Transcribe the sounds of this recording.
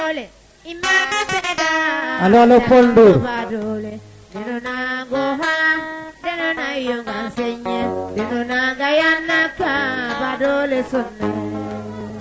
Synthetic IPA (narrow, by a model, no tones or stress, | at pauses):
ole | imenesenedaalɔlopon̩dobadole | denonaɡoɦadenanaijoŋan̩seɲedenonaɡajan̩nakabadolesʊn̩na